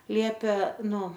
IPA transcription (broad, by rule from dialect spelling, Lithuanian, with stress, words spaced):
ˈlʲiɛpʲeː ˈnʊ